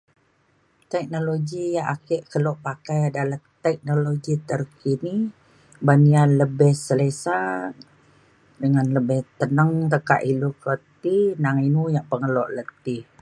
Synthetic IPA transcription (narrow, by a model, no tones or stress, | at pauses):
t̪ɛk̚noloɡijaʔakɛʔkəlɔʔpakajadalaht̪ɛk̚noloɡit̪ərkini | banianləbɛhsəlesa | dəŋanləbɛht̪ənəŋt̪əka̰ʔilukət̪inaŋinujaʔpəŋəlɔʔlət̪ɪh